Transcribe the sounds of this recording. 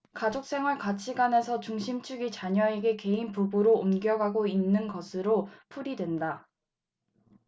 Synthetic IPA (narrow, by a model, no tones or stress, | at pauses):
kad͡ʑok̚s͈e̞ŋɦɯɭkat͡ɕʰiɡane̞sʰʌt͡ɕuŋɕʰimt͡ɕʰuɡit͡ɕaɲʌe̞ɡe̞ke̞inpubuɾoomɡjʌɡaɡoinːɯnɡʌsʰɯɾopʰuɾidwe̞nda